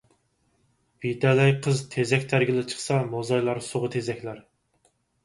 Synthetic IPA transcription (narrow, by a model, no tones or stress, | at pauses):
vid̪ɛlɛjqʰəzt̪ʰezɛkʲt̪ʰæɾɡʲɪlˠɪt͡ʃʰə̥χsɑmozɑjlˠɑɾsoʁət̪ʰezɛkʲlæɾ